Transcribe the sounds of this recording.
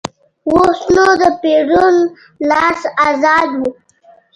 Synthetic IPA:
wosnod̪əpeɖun | lɑsazɑd̪wu

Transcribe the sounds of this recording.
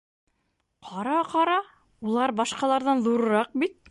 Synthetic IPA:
qʰɑɾɑqɑɾɑ | ulˠɑɾbɑʃqɑlˠɑɾðɑnðuɾɤ̆ɾɑq̚bit̪̚

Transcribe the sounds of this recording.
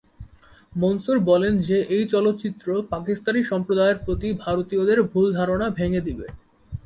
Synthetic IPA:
monsuɾbɔlend͡ʑeʔejt͡ɕɔlot̪ːt͡ɕit̪ːɾopakist̪aniʃɔmpɾod̪aeeɾpɾot̪ibʱaɾot̪iod̪eɾbʱuld̪ʱaɾonabʱeŋed̪ibe

